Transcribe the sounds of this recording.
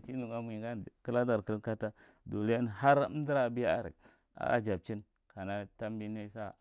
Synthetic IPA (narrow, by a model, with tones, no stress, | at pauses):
ki˦nu˨ɡa˦m˨i˨ɡa˦˨kə˦la˦da˨ɾkə˦lka˦ta˦ | du˨le˦n˨ha˦ɾdi˦ɾa˨bi˦ja̰˦˨ɾḭ˨k̚ | a̰˨˦a̰˨d͡ʒa˨b̚t͡ʃi˦n | ka˨na˦ta˦mbi˦na˦sa˦